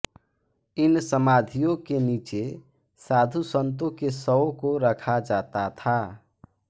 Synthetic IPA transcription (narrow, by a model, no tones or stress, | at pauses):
ɪnsəmaːd̪ʱijõkeniːt͡ʃe | saːd̪ʱusənt̪̬õkesəokoɾəkʰad͡ʒat̪at̪ʰa